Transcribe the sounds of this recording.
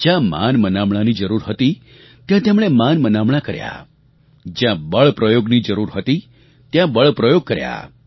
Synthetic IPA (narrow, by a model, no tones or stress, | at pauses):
d͡ʒjãma̰nmənamɽanid͡ʒəɾuɾɦət̪i | t̪jãt̪emɽ̃emanmənamɽakəɾja̰ | d͡ʒjãbəɭpɾəjoɡnid͡ʒəɾuɾɦət̪i | t̪jãbəɭpɾəjoɡ̚kəɾja̰